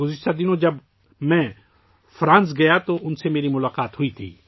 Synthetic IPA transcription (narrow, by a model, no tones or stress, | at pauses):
ɡʊzɪʃt̪ad̪ɪnõd͡ʒɐb | mɛ̃ | fɾãːns̬ɡɐjat̪oʔʊnsemeːɾimʊlaːqaːt̪ɦʊit̪ʰḭː